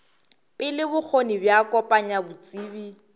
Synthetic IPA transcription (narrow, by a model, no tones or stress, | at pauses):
pʼɪlɪbʊk͡xʰonibjakʼɔpʼaɲabut͡sʼiːbi